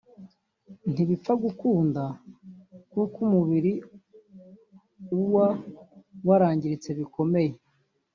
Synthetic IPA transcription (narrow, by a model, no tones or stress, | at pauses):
n̥iβip͡faɡukuːnda | kukumuβiɾi | uwa | waɾaːɲɟiɾit͡se̞βiko̞me̞je̞